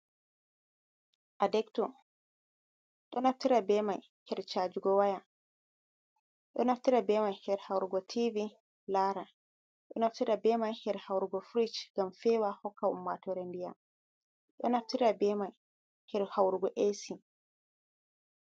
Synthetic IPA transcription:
ʔadɛktɔ | ɗɔnaftiɾabɛmaj | hɛɾt͡ʃaːd͡ʒuɡɔwaja | ɗɔnaftiɾabɛmajhɛɾhawɾuɡɔtʰivi | laɾa | ɗɔnaftiɾabɛːmajhɛɾhawɾuɡɔfɾit͡ʃɡ̥amfɛwahɔkːaṵmːatɔɾendija | ɗɔnaftiɾabɛmaj | hɛɾhawɾuɡɔʔesi

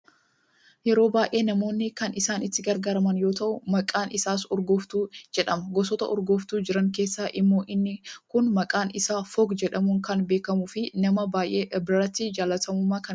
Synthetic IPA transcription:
jɛɾo̞ːbaːjʔe̞ːnɐmo̞ːnːɪkɐnɪsaːnɪt̪ːɪɡɐɾɡaːɾɐmɐnjo̞ːt̪ɐʔʊmɐkʼaːnʔɪsaːsɔɾɡɔft̪uːd͡ʒɛᶑɐmɐɡɔsɔt̪ɐ̰ʔɔ̰ɾɡɔft̪uːd͡ʒɪɾɐŋke̞ːsːaːʔɪmːo̞ːʔɪnːɪkʊnmɐkʼaːnɪsaːfɔɡd͡ʒɛɗɐmʊŋkɐnbe̞ːkɐmʊfɪnɐmɐbaːjʔe̞ːʔbɾɐt̪ːɪd͡ʒaːlɐt̪ɐmʊmːaːkɐn

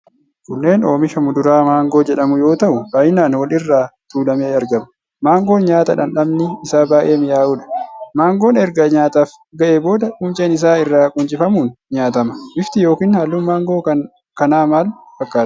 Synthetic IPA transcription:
kʊnːe̞ːno̞ːmɪʃɐmʊd̪ʊɾaːmaːŋɡo̞ːd͡ʒɛᶑɐmʊjo̞ːt̪ɐʔʊbaːjɪnaːnwɐlɪrːaːt̪uːlɐmeːɐɾɡɐmɐ | maːŋɡo̞ːɲaːt̪ɐᶑɐnᶑɐmnɪɪsaːbaːʔe̞ːmɪjaːʔʊᶑɐ̥maːŋɡo̞ːnɛɾɡɐɲaːt̪aːf | ɡɐʔeːbo̞ːd̪ɐkʼʊmt͡ʃʼeːnɪs̬aːɪrːaːkʼʊnt͡ʃʼɪfɐmuːnɲaːt̪ɐmɐ̥ʔɪft̪ɪjo̞ːkiːnhɐlːʊːnmaːŋɡo̞ːkɐ | kɐnaːmaːlfɐkʼːaː

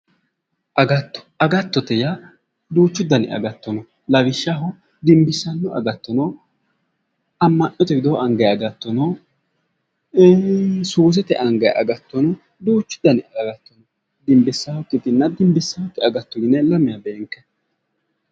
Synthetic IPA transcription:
ʔɐɡɐt̪ːɔ̥ɐɡɐt̪ːɔt̪ɛja | d̪uːt͡ʃːʊd̪ɐnɪ̰ʔɐ̰ɡɐt̪ːɔnɔ | lɐβɪʃːaɦɔ | d̪ɪmbɪsɐnːɔɐ̰ɡɐt̪ːɔnɔ | ɐmːɐnɔt̪ɛɡɪd̪ɔʔɐŋɡɐjɐɡɐt̪ːɔnɔ | suːs̬ɛt̪ɛ̰ʔɐŋɡɐj̰ʔɐ̰ɡɐt̪ːɔnɔ | d̪uːt͡ʃːʊ̥d̪ːɐnɪɐɡɐt̪ːɔnɔ | d̪ɪmbɪsːaːhɔkːɪt̪ɪnːɐd̪ɪmbɪsːaːhɔkːɛɐɡɐt̪ːɔɡɪnːɛlɐmɪjɐbeːŋkːɛ

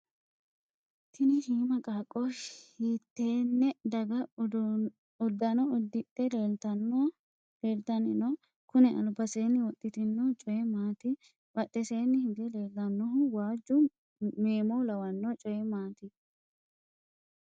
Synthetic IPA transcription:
t̪ʰɪnɪhiːmɐkʼaːkʼːɔiːt̪ːeːnːɛd̪ɐɡɐ | ʊd̪ːɐnɔʊd̪ːɪt̪ʼːɛleːt̪ɐn | leːlt̪ɐnɪnɔ | kʊnɛʔɐ̰lbɐseːnːɪwɔt̪ʼːɪt̪ɪnːɔt͡ʃʼɔjɛmaːt̪ɪ | bɐt̪ʼːɛse̞ːnːɪhɪd̪ɛle̞ːlːɐnːɔɦʊwaːd͡ʒʊ | meːmɔlɐwɐnːɔt͡ʃʼɔjɛmaːt̪ɪ

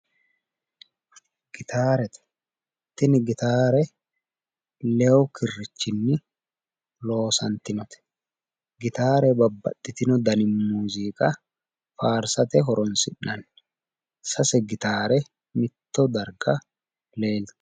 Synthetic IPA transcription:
ɡ̥ɪt̪ʰaːɾɛt̪ | t̪ːɪnɪɡɪt̪aːɾɛ | lɛɔkɪrːɪt͡ʃːɪnːɪ | lo̞ːsɐnt̪ɪnɔt̪ɛ̥ | ɡɪt̪aːɾɛbɐbːɐ̰tːɪt̪ɪnɔd̪ɐnɪmmuːziːkʼɐ | faːɾsɐt̪ɛɦɔɾɔnsɪnːɐn | sɐsɛɡɪt̪aːɾɛ | mɪt̪ːɔd̪ɐɾɡɐ | leːlt̪

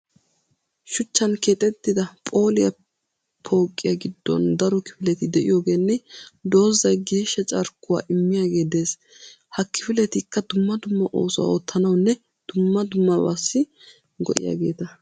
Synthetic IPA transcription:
ʃʊt͡ʃːɐnkeːt̪ʼɛt̪ːɪd̪ɐpʼo̞ːlɪjɐ | pʰo̞ːkʼːɪjɐɡɪd̪ːɔ̰nd̪ɐɾɔkɪ̥fɪlɛt̪ɪd̪ɛʔɪ̰jo̞ːɡe̞ːnːɛd̪o̞ːzɐjɡeːʃːɐt͡ʃʼɐɾkːʊwa̰ːʔɪmːɪjaːɡe̞ːd̪e̞ːs | hɐkɪfɪlɛt̪ɪkːɐd̪ʊmːɐd̪ʊmːɐʔo̞̰ːsʊwa̰oːt̪ʰːɐnɐwnːɛ | d̪̥ʊmːɐd̪ʊmːɐba̰sːɪ | ɡɔ̰ʔɪ̰ja̰ːɡe̞ːt̪ɐ

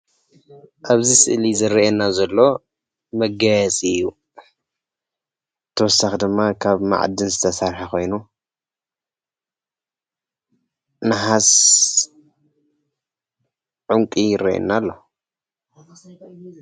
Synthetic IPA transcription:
ʔaβzisɨʔlizɨɾɐʔenːazɐlːo̞ | mɐɡajɛt͡sʼiɨjːu | t̪ʰːɐwɔsaxd̪ɨmːakʰaβma̰ʕd̪ɨnzɨt̪ʰɐsaɾħako̞jnu | nɨħas | ʕuŋkʼijɪɾɐʔḛnːalːo̞

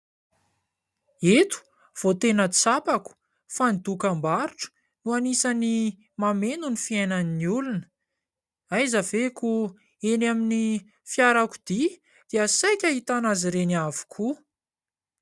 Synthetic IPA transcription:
et̪u̥ | v̥ot̪enət͡sapaku̥ | fanid̪ukambaɾuʈ͡ʂə̥ | nuanisani | mamenunifiajnaniniulunə̥ | ajzaveku | enamini | fjaɾaku̥d̪̥i | d̪̥easajkʲaɦit̪anaziɾenavu̥kʰu

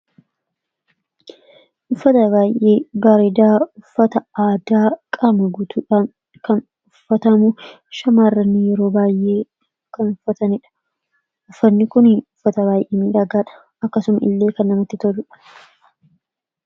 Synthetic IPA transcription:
ʔʊfːɐt̪ɐβaːjʔe̞ːbaːɾɪd̪aːʊfːɐt̪ɐaːd̪aːkʼɐmɐɡʊt̪ʰuːᶑaːn | kɐn | ʊfːɐt̪ɐmʊ | ʃɐmaːrɐnːijɛɾo̞ːbaːjʔe̞ː | kɐnʊfːɐt̪ɐnɪᶑɐ̥ | ʔʊfːɐnːɪkʊnʊfːɐt̪ɐβaːjʔeːmɪɾɐɡaːᶑɐ̥ | ɐkːɐsʊmɐʔɪ̰lːe̞ːkɐnːɐmɐt̪ːɪt̪ɔlʊᶑɐ̥

